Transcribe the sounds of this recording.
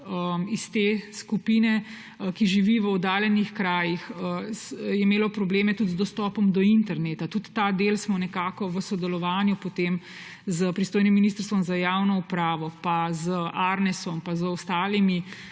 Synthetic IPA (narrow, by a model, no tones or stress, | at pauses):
əist̪eskupiːnɛ | kiʒiʋiʋəɔd̪aːljɛnixkɾaːjixəsjɛimeːlɔpɾɔbleːmɛt̪ut̪zd̪ɔst̪ɔːpɔmd̪ɔint̪ɛɾneːt̪at̪ut̪ːad̪eːlsmɔnɛkaːkɔʋəsɔd̪ɛlɔʋaːnjupɔt̪eːm | zəpɾist̪oːjnimːiniːst̪əɾst̪ʋɔmzajaːwnɔupɾaːʋɔpazəaɾnɛsɔmpazəɔst̪aːlimi